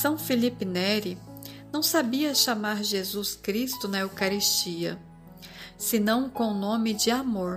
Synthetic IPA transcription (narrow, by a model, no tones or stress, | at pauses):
sɐ̃w̃filipɪnɛɾinɐ̃w̃sabiɐʃamaɾʒezuskɾist̪ʊnɐewkaɾist͡ʃiɐ̰ | sɪnɐ̃w̃kõw̃nõmɪd͡ʒɪamoɾ